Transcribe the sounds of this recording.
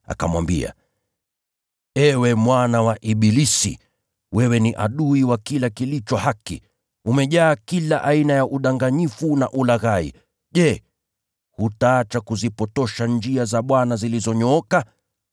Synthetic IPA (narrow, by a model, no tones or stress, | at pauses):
a̰ka̰mwa̰mbḭa̰ | ɛwɛmwanawaʔiɓilisḭ | wɛwɛniʔaɗuiwakilakilit͡ʃɔhakḭ | umɛʄaːkilaʔainajaʔuɗaŋɡaɲifuna̰ʔulaɣaḭ | ʄɛ | hutaːt͡ʃakuzipɔtɔʃand͡ʒiazaɓwanazilizɔɲɔɔka